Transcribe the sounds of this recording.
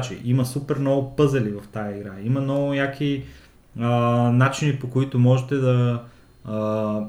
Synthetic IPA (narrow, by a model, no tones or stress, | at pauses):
t͡ʃḭʔimɐsupɛɾnɔɡʊpɤzɛlivɐft̪ajɐiɡɾaimɐnɔɡʊnʲakvi | ənat͡ʃinipokoit̪ʊmɔʒɛt̪ɛd̪ɐ